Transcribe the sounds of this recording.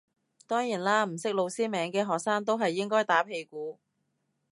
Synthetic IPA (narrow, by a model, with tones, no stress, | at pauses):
t̪ɔː˥ŋjiː˨˩nlaː˧m̩˨˩sɪ˥k̚lo˨˧wsiː˥mɛː˨˧ŋkɛː˧ɦɔː˨k̚saː˥ŋt̪o˥wɦɐ˨jːɪ˥ŋkɔː˥jt̪aː˨˥pʰe˧jkuː˨˥